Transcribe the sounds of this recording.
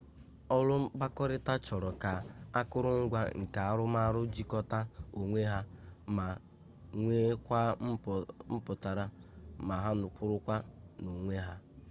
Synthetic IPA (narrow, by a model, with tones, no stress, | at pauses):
ɔ˦lʊ˦m̩˦ba˦kɔ˦ɾɪ˦ta˦t͡ʃɔ˨ɾɔ˨ka˨a˦kʊ˦ɾʊ˦ŋ̩˦ɡʷa̰˦ŋ̩˨ka˨a˦ɾʊ˦ma˦ɾʊ˦d͡ʒi˦kɔ˦ta˦o˨ŋʷe˦ɦa˦ma˨ | ŋʷe˦kʷa˦m̩˦pʊ˨ta˨ɾa˨ma˨ɦa˦nʊ˨k͡pʊ˦ɾʊ˦kʷa˦no˨ŋʷe˦ɦa˦